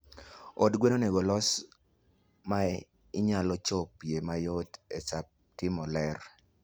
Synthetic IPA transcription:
odɡwenoneɡolɔs | ma | ɪɲalɔt͡ʃopjemajodesap̚ | tɪmɔlɛr

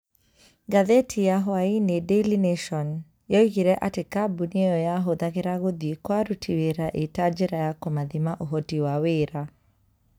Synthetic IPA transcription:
ɡaðɛtʰijaɦɔainedɛlineʃɔn | jɔiɣiɾɛʔatekabuniejɔjaɦoðaɣeɾaɣoðiekwaɾutʰiweɾaʔetad͡ʒɛɾajakɔmaðimaʔoɦɔtiwaweɾa

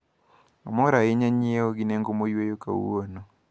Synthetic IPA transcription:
ɔmoɾajeɲaɲieoɡineŋɡomojwejoka̰ṵono

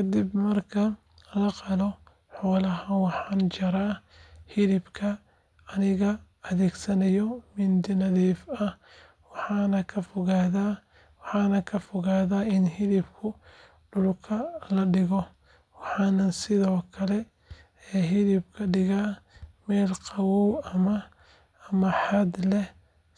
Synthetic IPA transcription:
kʰɐd̪ibmɐrkʰɐ | lɐqɑlɔ | ħɔːlɐɦɐwɑħɑːnt͡ʃɐɾaː | hɪlɪbkʰɐ | ɐnɪɣɐ | ɐðɛːɡsɐnɐjɔmɪnd̪ɪnɐðiːfɐh | wɑħɑːnɐkʰɐfɔɣaːðaː | wɑħɑːnɐkʰɐfɔɣaːðaːɪnhɪlɪbkʰʊ | ɖʊlkʰɐlɐɖɪɣɔ | wɑħɑːnɐnsɪðɔːkʰɐlɛ | ɛːɦɪðɪbkʰɐɖɪɣaːmɛːlqɑwɔɐmɐː | mɐħɑd̪lɛh

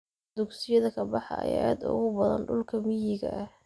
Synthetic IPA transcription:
d̪̥ʊɡsɪjɐðɐkʰɐbɑħɑ̰ɐ̰jʔaːd̪ʊ̰ɣʊbɐðɐ̰nɖʊlkʰɐmɪjɪɣɐ̰ʔɐh

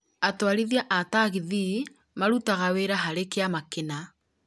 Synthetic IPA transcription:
atwaɾiðiaʔataɣiði | maɾutaɣaweɾaɦaɾekeamakena

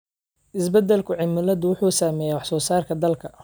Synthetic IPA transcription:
ʔɪsbɛd̪ɛlkʰʊʕɪmɪlɐd̪ʊwʊħuːsaːmɛːjɛwɑħsɔːsaːrkʰɐd̪ɐlkʰɐ

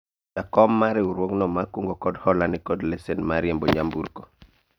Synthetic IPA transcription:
dakɔmːaɾeuɾwoŋnɔmakuŋɡɔkɔdhɔlanɪkɔdlesenmaɾɪjembo̰ɲambṵɾko

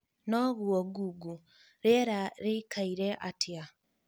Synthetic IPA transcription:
nɔɣwɔɡuɡu | ɾeɾaɾekʰaiɾɛʔatʰja

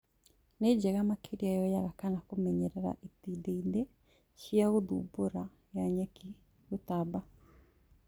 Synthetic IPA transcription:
ned͡ʑɛɣamakʰeɾiajɔjaɣakanakomɛɲɛɾɛɾa̰ʔitideide | ɕiaɣoðṵboɾa | jaɲɛki | ɣotaba

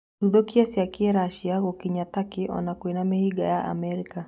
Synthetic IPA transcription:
uðɔkiasiakiɛɾaʃiaɣɔkiɲatakɪʔɔ̰nakwenamehiɡa̰jaʔa̰mɛɾika

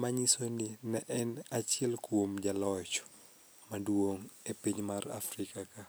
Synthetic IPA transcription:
maɲisoninɛʔɛnat͡ʃɪɛlkuomd͡ʒalɔt͡ʃ | maduwoŋepiɲmara̰frikaka

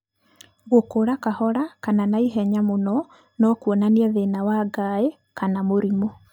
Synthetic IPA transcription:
ɣokoɾakahɔɾakananaiɦɛɲamonɔ | nɔkwɔnaniɛðenawaːɡae | kanamoɾimɔ

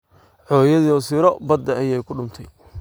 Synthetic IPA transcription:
ʕɔːjɐðiːɔsɪːɾɔbɐd̪ːɐɐjɛjkʰʊɖʊmt̪ʰɛj

